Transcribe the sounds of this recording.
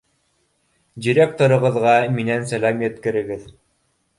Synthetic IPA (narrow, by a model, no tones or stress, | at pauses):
dʲiɾʲek̚t̪oɾɤ̆ʁɤ̆ðʁɑminænsælæmjɘ̆t̪kɘ̆ɾɘ̆ɡɘð